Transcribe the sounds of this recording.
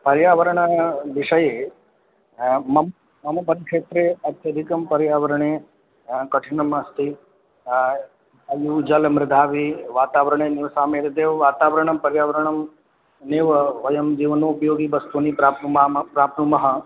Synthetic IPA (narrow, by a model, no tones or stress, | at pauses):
pɐɾjaːʋɐɾɐɳɐʋɪʂɐje | mɐm | mɐmɐbɐd̪ʱkʂeːt̪ɾeːɐt̪jɐd̪ʱikɐmpɐɾjaːʋɐɾɐɳ̃eː | kɐʈʰiɳɐmɐst̪ʰi | ɐjuːd͡ʒɐlmɾɪd̪ʱaːʋiʋaːt̪aːʋɐɾɐɳeːnɪʋsaːmeːɾɐd̪eːʋʋaːt̪aːʋɐɾɐɳɐmpɐɾjaːʋɐɾɐɳ̃ɐm | neːʋɐʋɐjɐmd͡ʒiːʋnoːpɐjoːɡibɐst̪unipɾaːpnumpɾaːpnumɐɦɐ